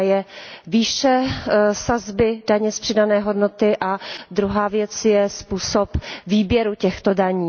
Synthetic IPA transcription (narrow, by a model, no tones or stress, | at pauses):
jɛviːʃɛsazbɪdaɲɛspr̥ɪdanɛːɦo̞dnot̪ɪʔad̪ɾuɦaːvjɛt͡sjɛspuːsopviːbjɛɾucɛxt̪odaɲiː